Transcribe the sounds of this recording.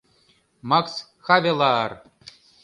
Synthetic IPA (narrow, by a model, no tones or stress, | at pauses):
maks | xavʲelˠɑːr